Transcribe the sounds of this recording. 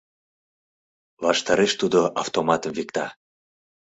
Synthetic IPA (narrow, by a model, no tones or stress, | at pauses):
βɑʃt̪ɑɾeʃt̪ud̪oʔɑft̪omɑt̪əmvikt̪ɑ